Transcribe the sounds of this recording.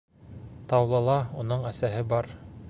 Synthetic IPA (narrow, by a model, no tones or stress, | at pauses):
t̪ɑwlˠɤ̆lˠɑunɤɴæsæhɘbɑɾ